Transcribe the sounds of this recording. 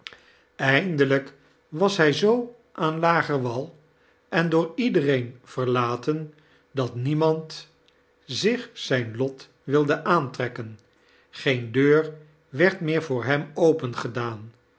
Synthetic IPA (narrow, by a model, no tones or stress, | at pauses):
ɛjndələk | ʋɑsɦɛjzow | ʔaːnlaːχəɹʋɑlˠ | ʔɛndʊːɹidərejnv̥əɹlaːtən | dɑtnimɑnt | zɪχsɛjnlɔt | ʋɪlˠdəʔaːntrɛkən | χejndøːɹ | ʋɛɹtmɪːɹvʊːɹɦɛmowpənχədaːn